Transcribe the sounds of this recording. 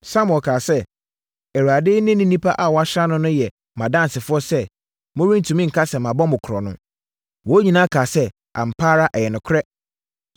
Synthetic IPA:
sã˦m̃˨ɔ˨kʰaː˨sɛ˦ | ɛ˨a˨dɪ˦nɪ̃˦nɪ̃˦nĩ˦pʰa˦ʔa˨wɔ˨˦a˦ɕa˦nʊ̃˦nʊ̃˦jɛ˨ | mã˨dã˦n˨sɪ˨fʊ˦ɔ˦sɛ˦ | mʊ̃˦ɾĩ˦n̩˨tʰũ˨mĩ˦ŋ̩˨kʰa˦sɛ˨mã˨bɔ˦mʊ̃˨kʰɾɔ˨nʊ̰̃˦ | wɔ˨˦ɲĩ˨nãː˦kʰaː˨sɛ˦ | a̰˨m̩˨pʰaː˦ɾa˦ʔɛ˨jɛ˨nʊ̃˨kʰʊ˦ɾɛ˦

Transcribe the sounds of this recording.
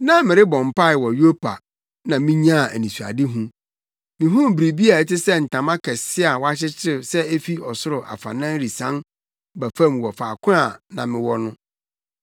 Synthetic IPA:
nã˦mɪ̃˨ɾɪ˦bɔ̃˨m˨pʰa˦ɪ˨wɔ˨jo˦pʰa̰˨ | nã˨mĩ˦ɲã˦˨æ˨nĩ˨su˨a̰˨dɪ˦ɦũ˦ | mɪ̃˨ɦũ˦˨bɾi˨bi˦a˨˦tɪ˦sɛ˦n̩˨tʰã˨mã˦kʰɛ˨sɪ˦a˨wa˦t͡ɕɪ˦t͡ɕʰɪ˦sɛ˦e˦fi˦ɔ˨sʊ˦ɾʊ˨ʔa̰˨fã̰˨nã˦n˦ɾi˨sã˦n | bæ˨fã˦˨m˨wɔ˨faː˨kʰʊ̃˦a˨nã̰˨mɪ̃˨wɔ˦nʊ̃˦

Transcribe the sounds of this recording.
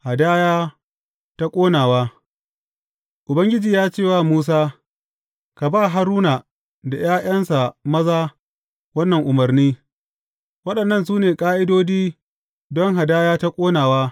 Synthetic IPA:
ha˨daː˦jaː˦ | ta˦kʷʼoː˦naː˨waː˦ | ʔʊ˨bɐ˦ŋɡʲɪ˦d͡ʒiː˨jaː˦t͡ʃeː˦˨waː˦˨muː˦s̬aː˦ | ka˨baː˦˨ɦa˦ɾuː˦na˨ | da˨jaː˦j̰ɐ˦nsa˨mɐ˦zaː˦ | wɐ˦nːɐ˨ŋʔʊ˨mɐ˨ɾniː˦ | wɐ˦ɗɐ˨nːɐ˦˨ns̬uː˦neː˨kʼaː˦ʔɪ˦doː˦d͡ʒiː˦ | dɔ˦ŋɦa˨daː˦jaː˦ta˦kʷʼoː˦naː˨waː˦

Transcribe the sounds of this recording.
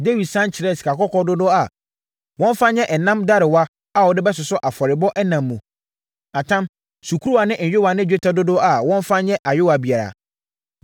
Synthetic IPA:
de˦wi˨dsã˦nt͡ɕʰɪ˨ɾɛ˦˨si̥˨ka˨kɔ˦kɔ˦dʊ˦dʊ˦a˨ | wɔ̃˦n˦fa˦ɲɛ̃˦ʔɛ˨nã˦mda˦ɾɪ˨wa˦ | a˦wɔ˨dɪ˦bɛ˦s̬ɪ˨sʊ˦ʔa˨fɔ˨ɾɪ˨bɔ˦ʔɛ˦nã˨mː˦ũ˨ | a˨tʰã˦m | su˨kʰu˦ɾu˦a˨nɪ̃˦ʔn̩ᶣ˨ɪ˦wa˨nɪ̃˦˨d͡ʑᶣe˦tʰa˦dʊ˦dʊ˦a˨wɔ̃˦n˦fa˦ɲɛ̃˦ʔa˨ɥʊ˦wa˨bi˨a˨ɾa̰˨

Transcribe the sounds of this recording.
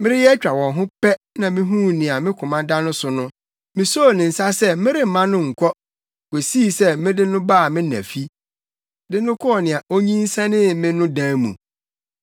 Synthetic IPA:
mɪ̃˦ɾɪ˦jɛ˦t͡ɕᶣa˨wɔ̃˨ɦʊ̃˦pɛ˦ | nã˨mɪ̃˦ɦũ˦nɪ̃˨a˨mɪ̃˦kʰʊ̃˨mã˦da˦nʊ̃˦sʊ˨nʊ̃˦ | mɪ̃˨so˦˨nɪ̃˨n̩˨sa˦sɛ˦mɪ̃˦ɾɪ˦m̩˨mã˦nʊ̃˦ŋ̩˨kʰʷɔ˦ | ke˨siː˦˨sɛ˦mɪ̃˦dɪ˦nʊ̃˦baː˦˨mɪ̃˦næ̰˨fi˦ | dɪ˦nʊ̃˦kʰɔ˦ɔ˨nɪ̃˨a˨ʔo˦ɲĩ˦n˦sɛ̃˦nɪ̃˦mɪ̃˦nʊ̃˦dãː˦mṵ̃˨

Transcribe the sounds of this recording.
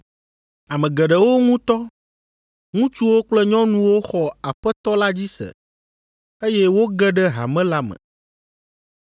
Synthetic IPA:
a˨mɛ̃˨ɡɛ˨ɖɛ˨wo˦ŋũ˦t̪ɔ˦ | ŋũ˦t͡ʃu˦wo˦k͡plɛ˦ɲɔ̃˦nũ˦wo˦xɔ˨a˨ɸɛ˦t̪ɔ˦la˦d͡ʑi˦sɛ̰˨ | e˦jɛ˦wo˦ɡɛ˦ɖɛ˦ɦa̰˨mɛ̃˦la˦mɛ̰̃˨

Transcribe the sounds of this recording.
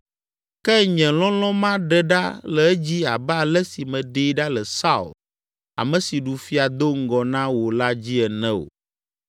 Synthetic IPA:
kɛ˦ɲɛ̃˨lɔ̃˦lɔ̃˦mã˦ɖɛ˨ɖa˦lɛ˨ɛ˦d͡ʑi˦a̰˨ba˨lɛ˦si˨mɛ̃˨ɖi˦ɖa˦lɛ˨sa˦ṵ˨l | a̰˨mɛ̃˨si˨ɖu˨fi˦a˨d̪o˦ŋ̩˦ɡɔ˨nã˦wo˨la˦d͡ʑi˦ɛ˨nɛ̃˦o̰˨

